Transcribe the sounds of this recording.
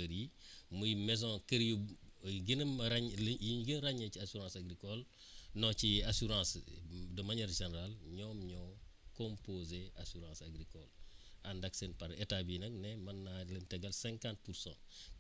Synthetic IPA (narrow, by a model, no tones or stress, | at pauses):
ɾimujimɛzõkəɾjuɡinɐmɾaɲjiɲɡinɾaɲɐciasuɾãːsaɡɾikɔl | nɔt͡ʃiasuɾãːsdəmɐɲɐɾʒeneɾalɲɔːmɲɔkõmpozeʔasuɾãsaɡɾikɔlandɐksenpɐɾetabinɐk̚nɛmɐnːalɐntɛɡɐlsɛ̃ŋkãnt̚puɾsã̰ː